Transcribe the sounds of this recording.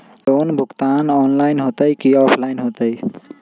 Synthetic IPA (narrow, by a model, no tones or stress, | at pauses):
oːnbʱʊkt̪anɔːnlaɪnɦot̪əjkiɔːpʰlaɪnɦot̪əj